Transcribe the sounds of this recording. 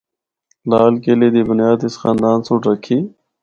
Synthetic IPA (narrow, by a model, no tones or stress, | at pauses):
laːlkeːleːd̪iːbʊnjaːd̪ɪsxaːnd̪aːnsũːʈɾəkʰiː